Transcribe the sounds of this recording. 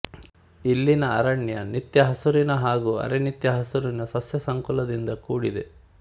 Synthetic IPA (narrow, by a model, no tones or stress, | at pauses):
ilːinɐɐɾɐɳjɐnit̪jɐɦɐsuɾinɐɦaːɡuɐ̰ɾenit̪jɐɦɐsuɾinɐsɐsjɐsɐŋkɔlɐd̪ind̪ɐkuːɽid̪ḛ